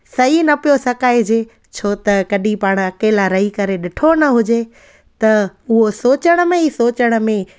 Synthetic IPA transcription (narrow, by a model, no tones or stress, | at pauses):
sɐɦinɐpijosɐkaːɪd͡ʑeː | t͡ɕʰoːt̪ɐkɐɗĩpaːɽ̃ɐkeːlaɾɐɦikɐɾeɗɪʈʰonɐɦʊd͡ʑe | t̪ɐʊɦosoːt͡ɕəɽ̃əmẽɦisoːt͡ɕəɽ̃̆mẽ